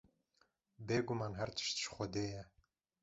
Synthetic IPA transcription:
beːɡumɑːnɦɛɾt̪ʰɨ̥ʃt̪ʃxʷɔd̪eːjɛ

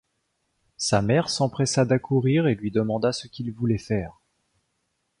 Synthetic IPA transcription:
samɛʁsɑ̃pχɛsad̪akʰuʁiʁelɥid̪əmɑ̃d̪asəkʲilvulɛfɛːʁ

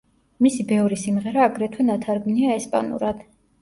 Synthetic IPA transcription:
misibɛvɾisimʁɛɾaːɡɾɛt̪ʰwɛnat̪ʰaɾɡniaɛspʼa̰nṵɾad̪̥

